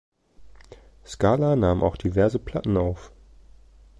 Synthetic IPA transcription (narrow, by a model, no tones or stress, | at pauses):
skaːlanaːmʔa̰ʊxd̥ivɛɐzəpʰl̥atn̩aʊf